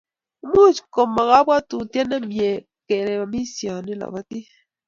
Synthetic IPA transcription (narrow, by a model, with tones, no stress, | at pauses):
mu˦˨t͡ʃko˨ma˨ɣa˦bwa˦tu˨tjɛ˦na˦mje˨ | kɛ˨ɾɛ˨a˨mi˦sjo˨ni˦la̰˨ba˦ti˦